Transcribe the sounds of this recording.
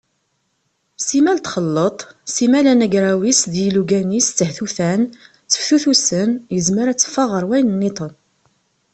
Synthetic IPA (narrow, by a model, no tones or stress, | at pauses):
simælt̪χəlːət̪ˤsimælænəɡɾawisðiluɡænist͡sːəhθuθæn | t͡sːə̥fθuθusənjəzməɾæt͡sːə̥fːɑʁəɾˤwæjnənːit̪ˤən